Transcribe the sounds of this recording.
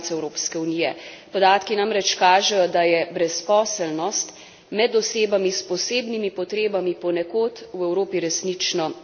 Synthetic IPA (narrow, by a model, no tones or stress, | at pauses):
tsɛwɾoːpskɛuniːjɛpɔd̪aːt̪kinamɾɛt͡ʃkaːʒɛjɔd̪ajɛbɾɛspɔːsɛlnɔst̪ | mɛd̪ɔseːbamispɔseːbnimipɔt̪ɾeːbamipɔnɛkoːt̪wɛwɾoːpiɾɛsnit͡ʃnɔ